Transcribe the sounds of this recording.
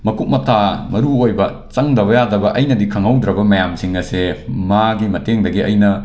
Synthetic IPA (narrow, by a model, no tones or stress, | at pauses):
mɐkʰuk̚mɐtʰamɐɾuojbɐ | t͡ʃɐŋdɐβɐjadɐbɐʔɐjnɐdikʰɐŋɐwd̪ɾɐbɐmɐjamsiŋɐsemaɡimɐteŋdɐɡiɐ̰jnɐ